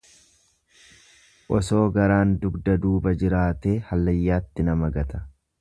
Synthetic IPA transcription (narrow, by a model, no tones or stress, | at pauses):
ʔɔso̞ːɡɐɾaːnd̪ʊɡd̪ɐd̪uːbɐd͡ʒɪɾaːt̪e̞ːhɐlːɐjːaːt̪ːɪnɐmɐɡɐt̪ɐ̥